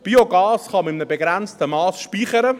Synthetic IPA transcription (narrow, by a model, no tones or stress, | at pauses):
b̥iːoɡɑːsχɑmɪmnəbeɡɾænt͡stəmɑːsʃpiːχəɾə